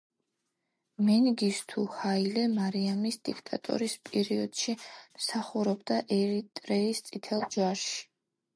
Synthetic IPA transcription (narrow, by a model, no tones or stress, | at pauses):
mɛnɡist̪ʰuhailɛmaɾiamisd̪̥ikʰt̪ʼa̰t̪ʼɔ̰ɾispʼɛɾiɔd̪̥ʃimsaχuɾɔbd̪aʔɛɾit̪ʼɾɛist̪sʼit̪ʰɛlˠd͡ʒwaɾʃi̥